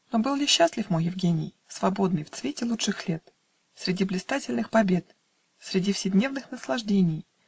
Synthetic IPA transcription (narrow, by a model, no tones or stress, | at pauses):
nobɨlˠlʲɪɕːaslʲɪfmojɪvɡʲenʲɪ̰j | svɐbo̞d̪nɨjft̪svʲetʲɪlˠut͡ʂʂɨxlʲe̞t̪ | sʲɾʲɪdʲiblʲɪst̪atʲɪlʲnɨxpɐbʲe̞t̪ | sʲɾʲɪdʲifsʲɪdʲnʲe̞vnɨxnəslˠɐʐdʲenʲɪj